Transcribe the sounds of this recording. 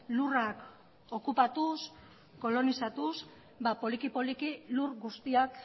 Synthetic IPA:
lurak | o̞kupat̪us | ko̞lo̞nisat̪us | bapo̞likipolikilurɡust̪iak

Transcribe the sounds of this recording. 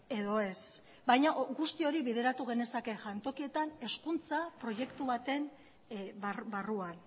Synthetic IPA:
e̞ðo̞e̞s | bajɲaʔɡust̪io̞ɾiβiðe̞ɾat̪uɣe̞ne̞sake̞ʝant̪o̞kie̞t̪ane̞skunt͡sapɾo̞je̞kt̪uβat̪e̞n | bbaruan

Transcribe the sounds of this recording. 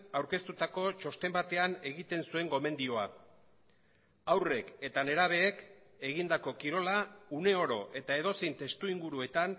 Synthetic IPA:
awɾke̞st̪ut̪ako̞t͡ʃo̞st̪e̞mbat̪e̞ane̞ɣit̪e̞nsue̞ŋɡo̞me̞nd̪io̞a | awre̞ke̞t̪ane̞ɾaβ̞e̞ːk | e̞ɣind̪ako̞kiɾo̞laune̞o̞ɾo̞ʔe̞t̪ae̞ð̞o̞sint̪e̞st̪uiŋɡuɾue̞t̪an

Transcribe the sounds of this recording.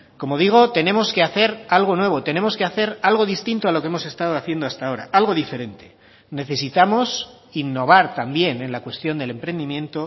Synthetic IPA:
komo̞ðiɣ̞o̞t̪e̞nẽ̞mo̞ske̞aθe̞ɾalɣ̞o̞nwe̞β̞o̞t̪e̞ne̞mo̞ske̞aθe̞ɾalɣo̞ðist̪int̪oalo̞ke̞mo̞se̞st̪að̞oaθje̞nd̪oast̪ao̞ɾa̰ʔalɣo̞ðife̞ɾe̞nt̪e̞̥ | ne̞θe̞sit̪amo̞s | inːo̞β̞aɾt̪ambje̞ne̞nlakwe̞st̪jo̞nd̪ele̞mpɾe̞nd̪imjẽ̞nt̪o̞

